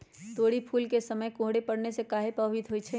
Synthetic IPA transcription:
t̪oːɽipʰuːlkesɐməjkõːɦɽepɐɽnesekaːɦepɐwit̪ɦoːit͡ʃʰɛ

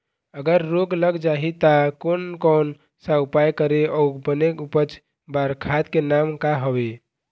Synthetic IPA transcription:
əɡəɾːoɡləɡd͡ʒaɦit̪akonkɔn | saupajkəɾeɔubənekupət͡ʃʰ | baɾkʰat̪kenamkaɦəbe

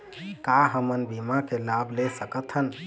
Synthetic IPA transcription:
kaɦəmənbimakelablesəkət̪ʰɦən

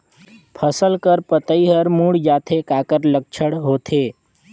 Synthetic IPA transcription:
pʰəsəlkəɾpət̪əiɦəɾmuɽd͡ʒaːt̪ʰekakəɾlək̚t͡ʃʰəɽɦoːt̪ʰeː

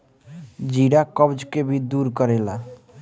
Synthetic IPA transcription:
d͡ʒiɽakəbd͡ʒkebʱid̪uːɾkəɾela

